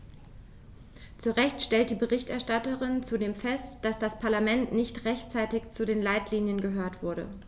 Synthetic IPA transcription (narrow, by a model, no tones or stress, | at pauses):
t͡suʁɛçtʃtɛlt̚d̥iːbəʁɪçtʔɛɐʃtatəʁɪnt͡sudeːmfɛstd̥asd̥aspʰaɐlamɛntnɪçtʁɛçtt͡saɪtɪçt͡sudeːnlaɪtliːnjənɡəɦøːɐtv̥ʊɐɾə̰